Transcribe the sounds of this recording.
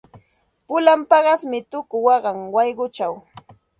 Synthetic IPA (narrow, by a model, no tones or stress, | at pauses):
pʊlampɑɢɑsmɪt̪ʊkʊwɑɢɑŋwɑjɢʊt͡ʃaw